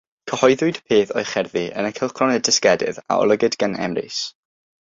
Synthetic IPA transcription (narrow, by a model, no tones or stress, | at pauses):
kʰəhɔjðʊɨdpʰeːθɔjχɛrðiʔə̰nəkʰɪlˠχʰrɔnɛdɪskɛdɪ̰ða̰ɔ̰lˠəɡɨdɡənɛ̰mrɪ̰s